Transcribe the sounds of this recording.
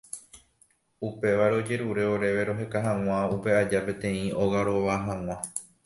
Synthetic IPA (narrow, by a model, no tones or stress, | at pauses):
upe̞ʋaɾeo̞d͡ʒe̞ɾuɾe̞o̞ɾe̞ʋe̞ɾo̞ɦe̞kaɦãw̃ãupe̞ad͡ʒapẽ̞t̪ẽ̞ĩo̞ɣaɾo̞ʋaɦãw̃ã